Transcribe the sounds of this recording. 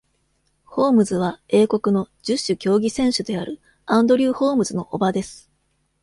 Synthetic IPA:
ho̞ːmɯ̟zɨβae̞ːko̞kɯ̟no̞d͡ʑɨɕːɨkʲo̞ːɡʲisẽ̞ɰ̃ɕɨd̪e̞aɾɯ̟ | ãnd̪o̞ɾʲɯːho̞ːmɯ̟zɨno̞ʔobad̪e̞sɨ̥

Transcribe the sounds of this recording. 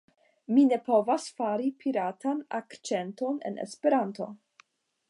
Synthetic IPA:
mine̞po̞vasfaɾipʰiɾatanakt͡ʃe̞nto̞ne̞̰nʔḛspe̞ɾanto̞̰

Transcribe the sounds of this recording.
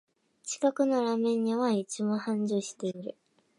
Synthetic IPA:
t͡ɕi̥kakɯ̟no̞ɾamẽ̞ɲ̟ːiβait͡ɕimõhãɲd͡ʑɨːɕi̥t̪e̞iɾɯ̟

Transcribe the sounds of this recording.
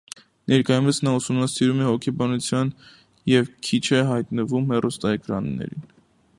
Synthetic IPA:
nɛɾkɑjumət͡sʰnɑusumnɑsiɾumɛhɔkʰɛbɑnut͡sʰjɑn | jɛvkʰit͡ʃʰɛɦɑjt̪nəvumhɛrust̪ɑɛkɾɑ̰nːɛ̰ɾḭn

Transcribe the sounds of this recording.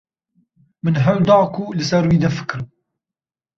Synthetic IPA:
mɨnɦawd̪ɑːkuːlɨsɐɾwiːd̪ɐfɨ̥kɾ

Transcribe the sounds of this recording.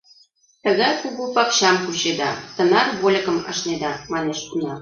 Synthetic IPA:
t̪ə̆ɣɑjkuɣupɑkɕɑmkuɕed̪ɑt̪ə̆nɑrβolʲɤ̆kə̆mɑ̰̆ʃned̪ɑmɑneʃt̪unɑ

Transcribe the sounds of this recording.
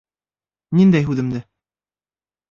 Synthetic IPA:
nind̪æjɦʉðɘ̆md̪ɘ

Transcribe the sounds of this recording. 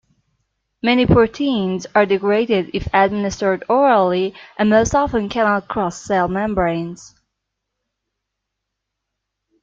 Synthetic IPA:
mɛnipʰɔɹtʰĩnzə˞dɨɡɹeɪɾɪɾɪfæd̚mɪnɨstə˞dɔɹl̩ˠiʔɨ̃nmoʊstɑfə̃nkʰænɑt̚kʰɹ̥ɔsːeɪlˠmɛ̃mbɹẽɪ̃nz̥

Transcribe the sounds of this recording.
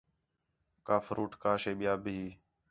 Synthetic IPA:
kaːfɾʔuːʈkaːʃeːɓɪjaːbiiː

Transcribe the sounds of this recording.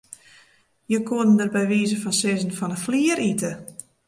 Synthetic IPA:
jəkʰoədən̩dərbɛjʋiːzəfɔnsɪzən̩fɔnəfliəɾitə

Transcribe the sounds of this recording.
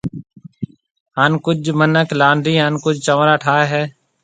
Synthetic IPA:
ɦankʊd͡ʒmənəklaːɳɖiːɦənkʊd͡ʒt͡ʃəʋɾaːʈʰaːɦɛː

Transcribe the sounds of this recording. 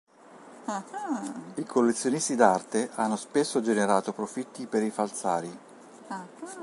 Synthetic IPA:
ikʰolːet̪sːjonist̪id̪art̪eʔanːospesːod͡ʒeneɾaːt̪opɾofit̪ːipeɾifalt̪saːɾi

